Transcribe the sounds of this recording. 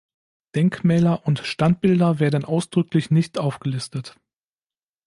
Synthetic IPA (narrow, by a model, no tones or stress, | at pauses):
d̥ɛŋkmɛːlɐʔʊntʃtant̚b̥ɪldɐveːɐdən̩ʔaʊsd̥ʁʏklɪçnɪçtʔaʊfɡ̥əlɪstət